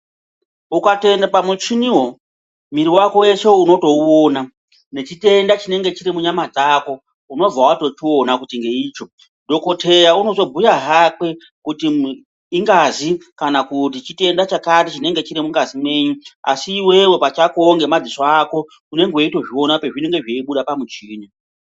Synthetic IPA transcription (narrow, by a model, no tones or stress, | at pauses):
ukate̞ndapamut͡ʃiniɦwo̞ | miɾiwako̞we̞t͡ʃo̞uno̞to̞ona | ne̞t͡ʃite̞ndat͡ʃine̞ŋɡe̞t͡ʃiɾimuɲamad͡zako̞ | uno̞b͡vawato̞tionakutiŋɡe̞iːt͡ʃo̞ | do̞ko̞tʰe̞jauno̞zo̞bʱujaɦakwe̞ | kutiː | ŋɡazikanakutit͡ʃite̞ndat͡ʃakat̬it͡ʃine̞ŋɡe̞t͡ʃiɾimuŋɡazimwe̞ːɲua̰siːwe̞we̞pat͡ʃakoŋɡe̞mad͡zisoako̞ | une̞ŋɡweito̞ʐio̞napeʐine̞ŋɡe̞ʐeiɓuɗapamut͡ʃiːɲa